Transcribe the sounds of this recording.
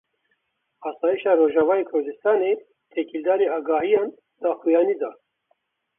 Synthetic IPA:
ɑːsɑːjiʃɑːɾoːʒɑːvɑːjeːkʰʊɾd̪ɨst̪ɑːneː | t̪ʰekʰild̪ɑːɾeɑːɡɑːɦijɑːn | d̪̥ɑːxujɑːniːd̪ɑː

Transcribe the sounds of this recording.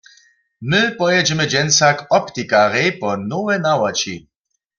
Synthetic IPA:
mɪpɔjɛd͡ʒɛmɛd͡ʒɛnsakɔpt̪ikaʁɛpɔnowɛnawat͡ʃḭ

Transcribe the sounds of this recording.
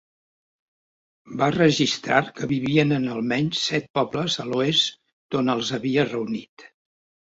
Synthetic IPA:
barəʒist̪ɾaɾkəβiβiənənəlˠmɛɲssɛt̪̚pɔbləzəloes | d̪̥onəlˠzəβiərəunit̪

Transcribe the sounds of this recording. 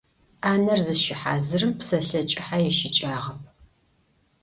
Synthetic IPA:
ʔaːnɐrzɨʃɪħaːzɨrɨmpsɐɬɐt͡ʃʼɪħajɛʃɪt͡ʃʼaːʁɐp̚ʰ

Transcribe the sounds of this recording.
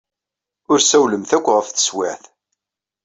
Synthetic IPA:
ʊɾsæwləmθækʷːʁəfθə̥swæθ

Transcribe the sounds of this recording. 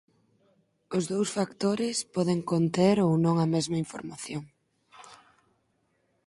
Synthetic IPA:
ʊzðowsfakt̪oɾɪspɔðeŋkont̪eɾownõŋɐmɛzmɐiɱfo̰ɾmaθjoŋ

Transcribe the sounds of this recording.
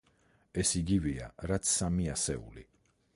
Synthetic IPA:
ɛsiɡiviaɾat̪sʰsːamiasɛṵlḭ

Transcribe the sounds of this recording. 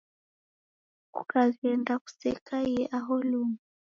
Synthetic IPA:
kʼṵkʼakɛndaku̥sɛkʼajɛʔaɦoluːŋa

